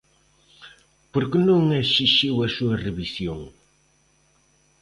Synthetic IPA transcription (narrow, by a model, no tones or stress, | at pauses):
poɾkɨnõŋɛʃiʃiwɐsuɐrɨβisjõŋ